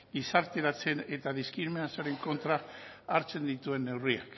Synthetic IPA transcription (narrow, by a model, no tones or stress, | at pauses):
isaɾt̪e̞ɾat͡se̞ne̞t̪aðiskɾiɾmenasaɾe̞ŋko̞nt̪ɾaaɾt͡se̞nd̪it̪ue̞nːe̞wriak